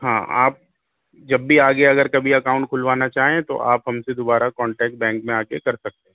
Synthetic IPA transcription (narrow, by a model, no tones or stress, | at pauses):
ɦã̰ːa̰ːp̚ | d͡ʒɐbːiaːɡeɐɡəɾkɐbʱiɐkaːʊ̃ɳʈ̚kʰʊlʋaːnat͡ʃaːɦẽt̪o̰ʔaːpɦɐmsed̪oːbaːɾakɔ̃ːɳʈɛːk̚ʈ̚bɛ̃ːŋk̚mẽaːkḛkɐɾsɐk̚t̪ẽɦɛ̃ː